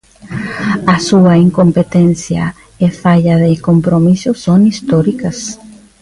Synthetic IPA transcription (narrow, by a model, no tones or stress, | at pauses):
ɐsuɐiŋkompet̪enθjɐ̰ | efaʎɐðekompɾomisʊsoŋist̪ɔɾikɐs